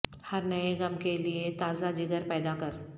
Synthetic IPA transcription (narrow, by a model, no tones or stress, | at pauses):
hɐɾnɐeɡɐmkeliet̪aːzad͡ʒɪɡəɾpɛːd̪akɐɾ